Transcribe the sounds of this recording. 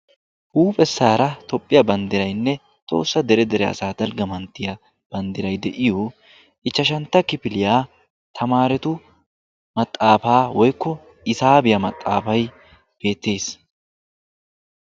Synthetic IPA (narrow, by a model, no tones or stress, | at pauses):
ʔuːpʼɛsːaːɾɐt̪ɔpʼːɪjɐbɐnd̪ɪɾɐjnːɛ | t̪ʼo̞̰ːsːɐd̪ɛɾɛd̪ɛɾɛɐ̰saːd̪ɐlɡɐmɐnt̪ːɪjɐ | b̥ɐnd̪ɪɾɐjd̪ɛʔɪjo | ʔɪt͡ʃːɐʃɐnt̪ːɐkɪpɪlɪjaː | t̪ʰɐmaːɾɛt̪ʊ | mɐt̪ʼːaːfaːwɔjkːɔ | ɪsaːbɪjɐmɐt̪ʼːa̰ːfɐj | b̥e̞ːt̪ːe̞ːs